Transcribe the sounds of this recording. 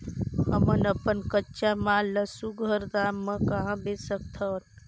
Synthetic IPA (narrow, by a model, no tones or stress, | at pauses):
ɦəmənəpənkətːʃamaːlːəsuɡʱəɾd̪aːmːə̃kəɦãbesək̚t̪ʰən